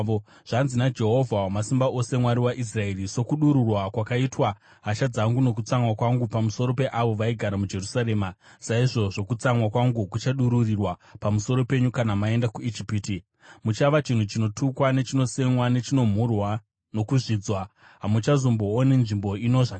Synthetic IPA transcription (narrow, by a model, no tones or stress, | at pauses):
o | ʐ̥anzinad͡ʒe̞ɦo̞vʱawamasimbaʔo̞se̞mwaɾiwaʔis̬rae̞riso̞kuɗuɾurwakwakaitwa | ɦat͡ʃad͡zaŋɡuno̞k̬ut͡samwakwaŋɡupamuso̞ɾo̞pe̞ʔaʋo̞ʋaiɡʱaɾamud͡ʒe̞rusaɾe̞ːmasaiʐo̞ʐo̞kut͡samwakwaŋɡukut͡ʃaɗuɾurirwapamuso̞ɾo̞pe̞ɲukanamae̞ndakuid͡ʒipiːti | mut͡ʃaʋat͡ʃin̤ut͡ʃino̞tʰukwane̞t͡ʃino̞se̞mwane̞t͡ʃino̞m̤urwa | no̞kuʐid͡zwa | ɦamut͡ʃazomboːnenʐimbo̞ino̞ʐak